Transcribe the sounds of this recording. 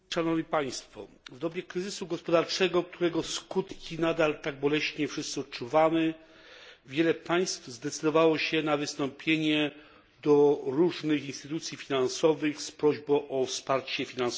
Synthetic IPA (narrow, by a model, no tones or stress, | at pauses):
ʂanɔvɲipaj̃st̪fɔ̰ | vd̪ɔbʲjɛkɾɘzɘsuɡɔspɔd̪aɾt͡ʂɛɡɔk̚t̪ʰuɾɛɡɔskut̪kʲinad̪alt̪aɡ̚bɔlɛɕɲɛfʂɘst̪sɨɔt̪̚t͡ʂuvamɘ | vʲjɛlɛpaj̃st̪vzd̪ɛt̪sɘd̪ɔvawɔɕɛnavɘst̪ɔmpʲjeɲɛ | d̪ɔɾuʐnɘxinst̪ɘt̪ut̪sʲjifʲinansɔvɘxspɾɔʑbɔ̃ʔɔfspaɾt͡ɕɛfʲinansɔ